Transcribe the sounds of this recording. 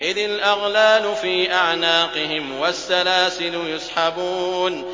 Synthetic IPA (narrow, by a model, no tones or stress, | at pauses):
ʔɪðɪlʔaɣlaːlʊfiːʔaʕnaːqɪɦɪmwasːalaːsɪlʊjʊsˤħabuːn